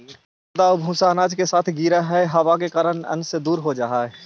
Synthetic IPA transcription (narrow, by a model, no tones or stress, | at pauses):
d̪aʊbʱũːsaːnaːd͡ʒkesaːt̪ʰɡiːɾaɦɛɦɐʋak̬ekaːɾənɐ̰̃nsed̪uːɾɦod͡ʒaːɦaɦɛ